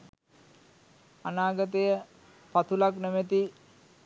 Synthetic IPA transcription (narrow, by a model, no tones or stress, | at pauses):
anaːɡət̪əjə | pat̪ʰulaknemət̪i